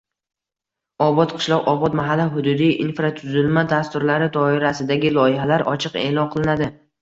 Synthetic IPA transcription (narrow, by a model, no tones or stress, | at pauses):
ɒbɒt̪qʰɨ̥ʃlˠɒqɒbɒt̪maɦalːɪɦʊd̪ʊd̪ijʔinfɾat̪ʰʊzɪlmad̪ast̪ʊɾlaɾɪd̪ɒɪɾasɪd̪aɡʲɪlˠɒjɪhalaɾʔɒ̰t͡ʃʰɨqe̞̰ːlɒnqʰɨlˠɪnad̪ɪ